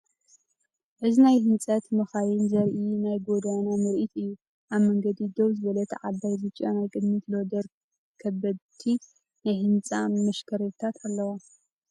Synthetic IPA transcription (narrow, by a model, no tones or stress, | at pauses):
ʔɨzinajhɨnt͡sʼɐt̪mɐxajɪnzɐɾʔinajɡo̞d̪anamɨɾʔit̪ɨjːu | ʔaβmɐŋɡɐd̪id̪oβzɨβɐlɐt̪ʰʕad̪ajbɨt͡ʃʼonajkʼɨd̪mit̪lod̪ɐɾ | kʰɐbːɐdt̪ʰi | najhɨnt͡sʼamɐʃkʰɐɾɐt̪ʰat̪ʰalːɐwa